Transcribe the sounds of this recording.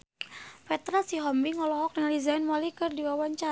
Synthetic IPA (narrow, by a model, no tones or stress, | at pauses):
fɛt̪ɾasiɦɔmbiŋɔlɔɦɔk̚dəŋlizanmɔlikɨrdiwawaɲt͡ʃa